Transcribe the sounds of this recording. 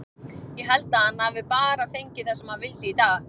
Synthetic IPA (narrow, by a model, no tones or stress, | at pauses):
jɛɣɦalt̪ahanːavɪpaːɾafejɲcɪθasɛmhaðvɪlt̪ɪit̪aːɣ